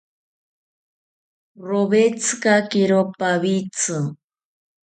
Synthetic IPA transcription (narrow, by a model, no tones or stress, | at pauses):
ɾoβet͡skakiɾopaβit͡sɨ